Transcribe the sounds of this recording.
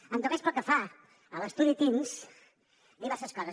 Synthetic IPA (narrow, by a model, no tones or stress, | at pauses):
ənt̪uɛspəlˠkəfa | ələst̪uðit̪emz | d̪iβɛɾsəskɔzə